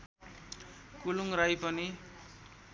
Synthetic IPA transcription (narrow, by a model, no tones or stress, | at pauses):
kuluŋrajpʌni